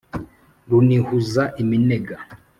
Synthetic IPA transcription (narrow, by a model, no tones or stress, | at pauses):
ɾunihuzaʔimineɡa